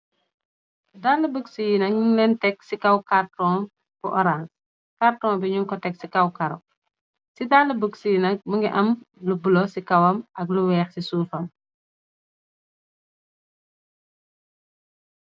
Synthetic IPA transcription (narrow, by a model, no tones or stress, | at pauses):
daːlːəbəksijinɐkulɛntɛksikɐwkartɔm | kuʔɔɾans | kartɔːmbiɲuŋkɔtɛksikɐwkɐɾɔ̰ | sidaːlːəbəksijinɐk̚muŋɡɛʔɐmlubulosikɐwɐmʔɐɡluwɛːxsisuːfɐm